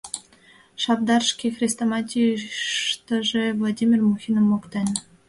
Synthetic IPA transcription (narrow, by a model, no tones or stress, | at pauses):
ʃɑpd̪ɑrʃkʲexrʲist̪omɑtʲiʃt̪əʒevlˠadʲimʲirmuxʲinəmokt̪ɑnʲ